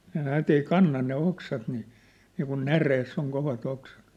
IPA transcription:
ne næːt ei kɑnːɑ ne oksɑt ni niːkun næreːsː oŋ koʋɑt oksɑ̥t

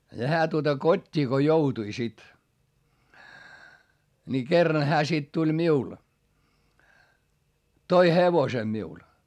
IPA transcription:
jɑ hæː tuotɑ kotʲːiː ko joutui sit ni kerːɑn hæː sit tulʲ miul toi heʋose miul

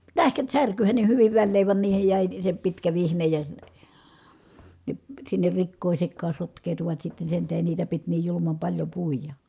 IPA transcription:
tæhkæt særkyhæn ne hyʋiʋ ʋælːeːʋ ʋɑn niːhej jæˑi se pitkæ ʋihnej jɑ ne sinːer rikːoˑi sekːɑː sotkˑeːtuʋɑt sitːe sen tæhen niːtæ pit niːj julumɑm pɑlʲjo puˑijɑ

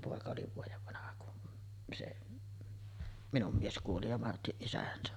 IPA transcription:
poˑekɑ oli ʋuojeʋ ʋɑnɑhɑ kun seʔ minum mies kuoli jɑ mɑrtiʔ ʔisæhæn se

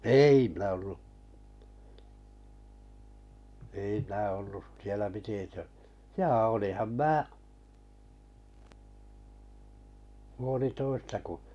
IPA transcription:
eˑi minæ olːu ei minæ olːu sielæ piti tø jɑː oliˑhɑm mæː puolitoistɑ ku

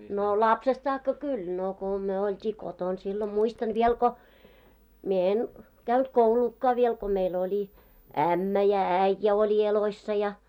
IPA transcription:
no lɑpsest sɑːkːɑ kul no ko myø oltʲiː koton silːo muistɑn ʋiel ko mie en kæynt kouluːkːɑˑ ʋiel ko meil oli æmːæ jɑ æĭjːæ olʲi eloisːɑ jɑ

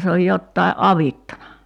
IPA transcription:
se oj jotːɑiʔ ʔɑʋitːɑnɑ

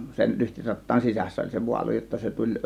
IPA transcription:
sen lyhtirɑtːɑːn sisæsːæ olʲ se ʋuɑlu jotːɑ se tulʲ

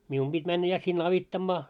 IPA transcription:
mium b̥it mænːæ jɑ sinː ɑʋitːɑmːɑː

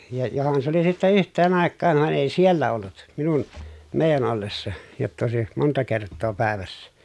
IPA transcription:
jɑ johɑn s oli sitːe yhtˑeːn ɑˑekːɑːʋ ʋɑn eˑi sielːæ olːut minun meˑi̯jæn olːesːɑ jotːɑ oˑesi montɑ kertːoː pæˑeʋæsːæ

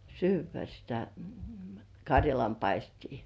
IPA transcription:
syːʋˑæ sitæ kɑrʲjɑlɑmpɑistiː

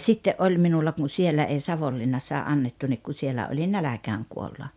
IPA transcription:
sitːeʔ ʔolʲ minulːɑ kun̞ sielːæ ei sɑʋolːinːɑsːɑː ʔɑnːetːu nik ku sielæ olin nælækæːŋ kuolːɑ

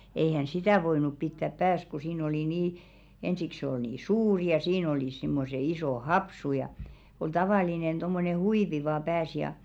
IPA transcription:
eihæˑn̞ sitæˑ ʋoinup pitːæp pæːs ku siːn oli niː ensik sĕ ol niː suːri jɑ siːn oliˑs simːose isoˑ hopsu jɑ ol tɑʋɑˑlinen d̥omːone huiʋi ʋɑː pæːs jɑ

